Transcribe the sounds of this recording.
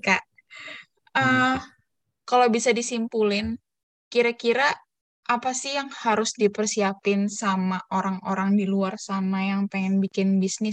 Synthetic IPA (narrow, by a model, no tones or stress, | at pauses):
kaʔ | ə | kalawbisadisimpulɪn | kiɾakiɾa | ʔːpasɪjaŋhaɾʊsdipərsiapɪnsamaʔoɾaŋoɾaŋdiluarsamajaŋpaŋɛnbikɪnbisnɪs